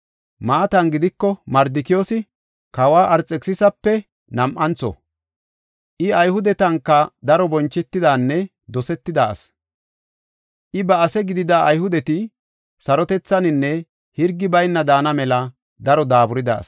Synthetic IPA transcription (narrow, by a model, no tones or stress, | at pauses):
maːt̪ɐnɡɪd̪ɪkːɔmɐɾd̪ɪkɪjoːsɪ | kɐwaːʔɐɾt͡sʼːɛksɪsɐpːɛ | nɐmʔɐnt͡sɔ̰ | ʔɪɐjhʊd̪ɛt̪ɐŋkːɐd̪ɐɾɔbɔnt͡ʃːɛt̪ːɪd̪aːnːɛ | d̪ɔsɛt̪ːɪd̪ɐ̰ːs | ʔɪbɐɐsɛɡɪd̪ɪd̪aɐjhʊd̪ɛt̪ɪ | sɐɾɔt̪ɛt͡sːɐnɪnːɛ | hɪɾɡːɪbɐjnːɐd̪aːnɐmɛlɐ | d̪ɐɾɔd̪aːbʊɾɪd̪ɐ̰ːs